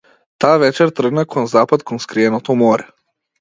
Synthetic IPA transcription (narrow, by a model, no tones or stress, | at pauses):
t̪aːvɛt͡ʃɛɾt̪r̩ɡnakʰɔnzapat̪kʰɔnskɾiɛnɔt̪ɔmɔɾɛ